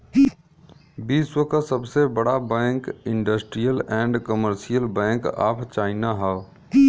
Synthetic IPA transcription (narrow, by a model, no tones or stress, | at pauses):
biːswəkasəbsebəɽabɛ̃ːŋkɪ̃ɳɖəsʈɾijəlɛ̃ːɳɖkəməɾsijəlbɛ̃ːŋka̰ːpʰt͡ʃaːɪnaɦɛ